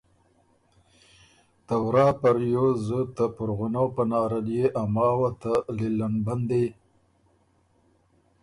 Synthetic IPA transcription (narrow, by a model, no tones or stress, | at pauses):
t̪awɾɑːpaɾjozət̪əpʊɾɣʊnawpənɑːɾaljeʔamɑːwat̪alilanband̪ej